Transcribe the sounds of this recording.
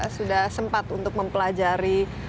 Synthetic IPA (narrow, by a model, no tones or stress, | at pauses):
sudahsəmpat̪unt̪ʊk̚məmpəlad͡ʒaɾi